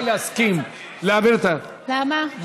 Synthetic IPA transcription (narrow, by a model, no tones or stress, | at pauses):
laskim | laːbɪɾt̪a | lama